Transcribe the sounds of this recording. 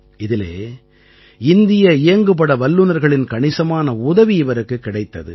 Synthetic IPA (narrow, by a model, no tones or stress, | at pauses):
ɪðɪlḛː | ɪnd̪ɪjɐɪjɐŋɡɯpːɐɽɐʋɐlːɯnɐɾɣɐɭɪnkɐɳɪsɐmaːnɐʊðɐʋiɪʋɐɾɯkːɯkːɪɽɐɪt̪ːɐðɯ̰